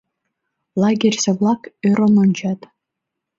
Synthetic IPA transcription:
lˠɑɡʲerʲseβlˠɑkøɾononʲt͡ɕɑt̪

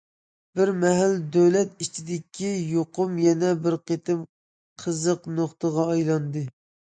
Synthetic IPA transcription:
b̥ɪɾmɛɦæld̪ølɛt̪it͡ʃʰid̪ɪkʲʰijoqʰʊmjɛnɛbɪɾqet̪ʰɪm | qʰəzəqnoχt̪əʁɑːjlˠɑnd̪ɨ

